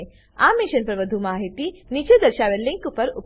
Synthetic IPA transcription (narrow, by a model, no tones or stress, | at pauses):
aːmiʃɐnpɾɐʋɐd̪ʱumaːɦit̪init͡ʃed̪ɐɾʃaːʋelːiŋkupɐɾup